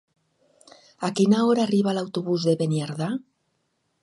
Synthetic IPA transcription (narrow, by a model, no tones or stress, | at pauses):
akinaoɾaːriβ̞alawt̪oβuzðeβenjaɾða